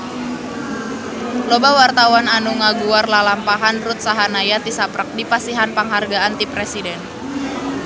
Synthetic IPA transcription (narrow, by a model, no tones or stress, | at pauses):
lɔbawart̪awananuŋaɡuarlalampaɦanrut̪̚saɦanajat̪isapɾək̚dipasiɦanpaŋɦarɡaʔant̪ipɾɛsidɛn